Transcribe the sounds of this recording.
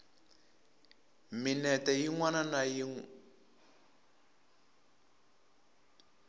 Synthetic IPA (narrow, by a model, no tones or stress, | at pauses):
minɛtɛjiŋwananajiŋu